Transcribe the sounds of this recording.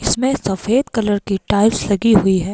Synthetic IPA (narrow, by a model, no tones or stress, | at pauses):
ɪsmẽsɐfeːd̪kɐləɾkiʈaːɪlslɐɡiɦʊiɦɛː